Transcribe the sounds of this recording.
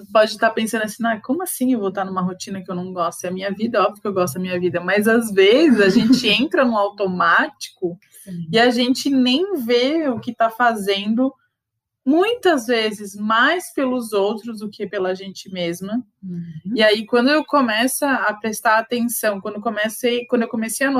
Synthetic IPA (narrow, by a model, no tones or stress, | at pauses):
pɔd͡ʒɪt̪apẽsɐ̃nd̪ʊɐsĩajkõmʊɐsĩewvot̪aɾnũmɐɦot͡ʃĩnɐkɪewnɐ̃w̃ɡɔst̪ʊɛɐmĩɲɐvid̪ɐɔbjʊkɪewɡɔst̪ʊd̪ɐmĩɲɐvid̪ɐmɐzazvezɪzaʒẽnt͡ʃɪẽnt̪ɾɐnʊawt̪omat͡ʃi̥kʊ | ɪaʒẽnt͡ʃɪnẽj̃veʊkɪt̪afazẽnd̪ʊ | mũj̃t̪ɐzvezɪzmajspelʊzowt̪ɾʊzd̪ʊkɪpelɐʒẽnt͡ʃɪmezmɐ | iaikwɐ̃nd̪ʊewkomɛsɐːpɾest̪aɾaːt̪ẽsɐ̃w̃kwɐ̃nd̪ekõmesejkwɐ̃d̪ʊewkomesejɐn